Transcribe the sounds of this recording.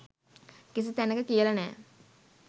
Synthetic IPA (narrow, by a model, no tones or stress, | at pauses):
kis̬it̪ænəkəkijəlanɛ̰ː